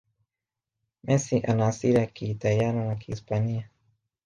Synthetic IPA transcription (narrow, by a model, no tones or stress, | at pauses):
mʔesiʔanasiɾakit̪ajananakʰispania